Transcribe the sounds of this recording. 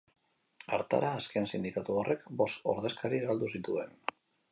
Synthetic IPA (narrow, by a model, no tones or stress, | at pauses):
aɾt̪a̰ɾaːskensind̪ikat̪uorʔe̞kbo̞st̪o̞̰ɾðe̞skaɾiɣald̪usit̪ue̞n